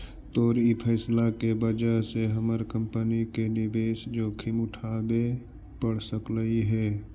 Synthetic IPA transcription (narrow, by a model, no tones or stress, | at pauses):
t̪oːɾipʰɛːslakebəd͡ʒaɦseɦəməɾkə̃mpənikenɪbeːsd͡ʒoːkʰɪmʊʈʰaːbe | pəɽ̤səkləiɦɛː